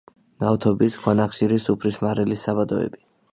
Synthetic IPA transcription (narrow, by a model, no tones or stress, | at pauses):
nawt̪ʰɔbisɡʰwanaχʃiɾisupʰɾismaɾɛlisːabad̪ɔɛ̰bi